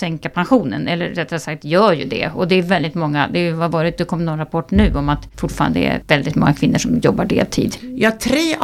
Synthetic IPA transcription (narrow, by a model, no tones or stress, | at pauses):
sɛŋkapʰanɧuːnənɛlːəɾːɛt̪ːɾasak̚t̪jœːɾjɵ̰d̪ɛ̰ɔd̪ɛæjvɛld̪ɪt̪mɔŋːad̪ɛjɵvavɑːɾɪt̪̚d̪ɛkʰɔmːnɔnɾapʰɔʈːɳʉ̟ːɔmat̪fʊʈfɑːɾa̰nd̪əɛɛ̰ɾvɛld̪ɪt̪mɔ̰ŋːakʰv̥ɪnːəʂɔmjɔbːaɖḛːlt̪ʰḭːd̪jɑːt̪ʰɾeː